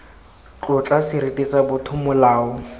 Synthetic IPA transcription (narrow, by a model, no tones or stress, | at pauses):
t͡ɬʼʊt͡ɬʼasɪɾitʼisabʊtʰʊmʊlaːɔ